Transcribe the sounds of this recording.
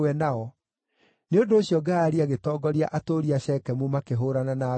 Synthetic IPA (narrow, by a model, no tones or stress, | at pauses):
ɛnaɔ | neondoːɕjɔɡaːɾiaɣetɔːɡɔɾiaʔatoɾiaɕɛkɛmumakeɦoɾanana